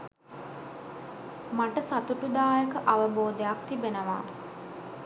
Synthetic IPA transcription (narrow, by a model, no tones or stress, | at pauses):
maʈəsat̪uʈud̪aːjəkəʔaʋəboːd̪ejakt̪ibenəʋa̰